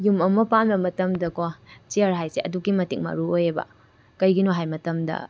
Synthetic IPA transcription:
jumɐmɐpambɐmɐtɐmdɐkot͡ʃiɐɾɦajseʔɐduɡimɐtiŋ̚mɐ̰ɾuojebɐ̰ | kɐjɡinoɦajmɐtɐmdɐ̰

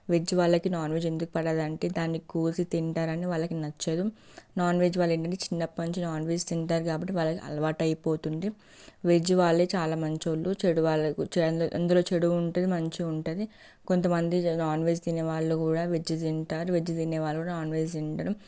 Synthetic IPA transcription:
ʋed͡ʒiʋaːɭːɐkinaːnʋeːd͡ʒend̪ukupɐɽaːd̪ɐɳʈe̞ːd̪aːnːikuːsit̪iɳʈaːɾɐniʋaːɭːɐkinɐt͡ʃːeːd̪u | naːnʋeːd͡ʒʋaːɭːeɳʈɐɳʈeːt͡ʃinːɐpːmɐɲt͡ʃinaːnʋeːd͡ʒt̪iɳʈaːɾukaːbɐʈːiʋaːɭːɐkiʔɐ̰lɐʋaːʈɐjipo̞ːt̪unɖ̪i | ʋed͡ʒiʋaːɭːeːt͡ʃaːlaːmɐɲt͡ʃolːut͡ʃeɽuʋaːɭɐkut͡ʃʔɐ̰nd̪ɐlo̞ːt͡ʃeɽuuɳʈɐd̪imɐɲt͡ʃiuɳʈɐd̪i | kont̪ɐmɐnd̪inaːnʋe̞ːd͡ʒt̪iːneːʋaːɭːukuːɽaːʋed͡ʒit̪iɳʈaːɾuʋed͡ʒit̪ineːʋaːɭɐkuːɽaːnaːnʋeːd͡ʒt̪iɳʈaːɾu

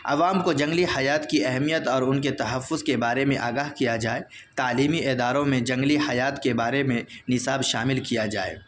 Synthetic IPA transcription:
ɐ̰ʋaːmkod͡ʒɐ̃ŋɡlihɐjaːt̪kiɛɦmijət̪ɔːɾʊnket̪ɐɦəfːʊzkebaːɾemẽʔaːɡaːɦkijad͡ʒaːe | t̪aːliːmiʔeːd̪aːɾõmẽd͡ʒɐ̃ŋɡlihɐjaːt̪kebaːɾemẽnɪsaːbʃaːmɪlkijad͡ʒaːḛ

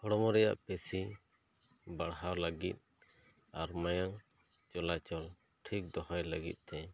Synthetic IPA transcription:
hɔɽɔmɔɾɛja̰ʔpɛsi | baɽɦaləɡit̪̚ˀ | aɾmajaŋ | t͡ʃɔlat͡ʃɔl | ʈʰik̚d̪ɔhɔjləɡḭt̪̚ˀt̪ɛ

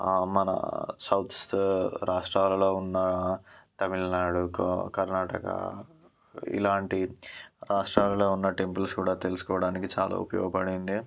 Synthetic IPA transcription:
mɐnɐ̰sɐwt̪ʰsɾaːʂʈɾaːlɐlo̞ːunːɐt̪ɐmilnaːɽukkɐɾnaːʈɐkɐ̰ | ḭlaːɳʈiɾaːʂʈɾaːlɐlo̞ːunːɐʈe̞mpɐlskuːɽaːt̪e̞lusu̥kɔːʋɐɽaːnikit͡ʃa̰ːlʔa̰ːṵpɐjɔ̰ːɡɐpɐɽind̪i

